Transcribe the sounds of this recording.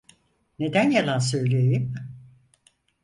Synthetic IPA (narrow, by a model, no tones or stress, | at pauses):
ne̞d̪ænjalˠansø̞jlʲejim